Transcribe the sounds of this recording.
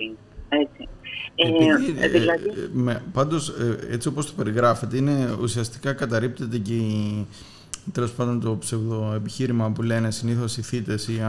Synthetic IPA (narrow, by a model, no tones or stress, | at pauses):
et͡sieiiilɐmepɐnd̪o̞see̞t͡sio̞post̪o̞pe̞ɾiɣɾɐfe̞t̪e̞ine̞usiɐst̪i̥kɐkɐt̪ɐɾip̚t̪e̞t̪e̞cei | t̪e̞lo̞spɐnd̪o̞nt̪o̞pse̞vðo̞e̞piçiɾimɐpule̞ne̞siniθo̞siθit̪e̞siɐ